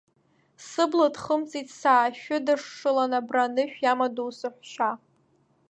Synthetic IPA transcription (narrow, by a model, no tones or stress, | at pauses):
sɨbladχəmt͡sʼitʰʼsaːʃᶣʊdɨʂʂɨlanabranɨʃᶣjamadowsɨħʷᶣʃa